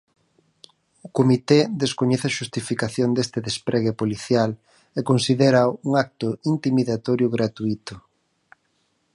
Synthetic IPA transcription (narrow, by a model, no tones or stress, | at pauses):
ʊkomit̪ed̪eskoɲɛθeaʃust̪ifikaθjond̪est̪ɪðespɾʔeɣepoliθjal | ekonsiðeɾauŋak̚t̪ʊint̪imiðat̪ɔɾjʊɣɾat̪uit̪ʊ